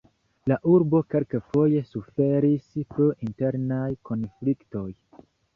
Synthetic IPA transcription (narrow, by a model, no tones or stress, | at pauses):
laʔuɾbo̞ke̞lkefo̞je̞sufe̞ɾispɾoʔinte̞ɾnajko̞nflikto̞j